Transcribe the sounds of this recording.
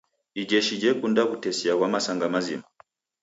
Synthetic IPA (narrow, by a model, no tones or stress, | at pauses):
id͡ʒɛʃid͡ʒɛkundakutɛsiakwamasaŋɡamazḭma